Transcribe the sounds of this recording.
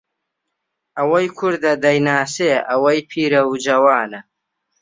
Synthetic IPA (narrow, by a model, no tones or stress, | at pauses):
ɐwɐjkʰʊɾd̪ɐd̪ɐjnaːseːʔɐwɐjpʰiːɾɐwd͡ʒɐwaːnɐ